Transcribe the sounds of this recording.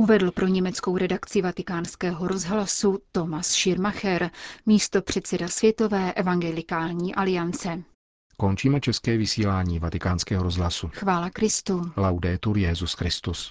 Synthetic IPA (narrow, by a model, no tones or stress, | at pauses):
ʔuvɛdl̩pɾo̞ɲɛmɛt͡sko̞wɾɛdakt͡sɪvat̪ɪkaːnskɛːɦo̞ɾo̞zɦlasut̪o̞masʃɪɾmaxɛɾmiːst̪o̞pr̝̥ɛt̪t͡sɛdasvjɛt̪o̞vɛːʔɛvaŋɡɛlɪkaːlɲiːʔalɪjant͡sɛ | kont͡ʃiːmɛt͡ʃɛskɛːvɪsiːlaːɲiːvat̪ɪkaːnskɛːɦoɾozɦlasuxvaːlakɾɪst̪ulawdɛːt̪uɾjɛzuskɾɪst̪us